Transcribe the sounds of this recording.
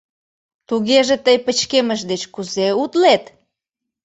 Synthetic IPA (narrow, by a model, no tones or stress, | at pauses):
t̪uɣeʒet̪əjpət͡ɕkeməʃd̪et͡ɕkuzeut̪let̪